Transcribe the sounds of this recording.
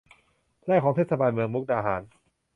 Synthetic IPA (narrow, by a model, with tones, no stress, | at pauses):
lɛː˥˩kʰɔː˩˦ŋt̪eː˥˩sa˧baː˧nmɯ˧əŋmu˦˥k̚daː˧ɦaː˩˦n